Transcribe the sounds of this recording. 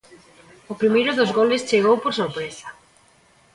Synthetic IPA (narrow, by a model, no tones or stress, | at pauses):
ʊpɾimejɾʊðozɣolɪst͡ʃeɣowpoɾsoɾpɾesɐ̥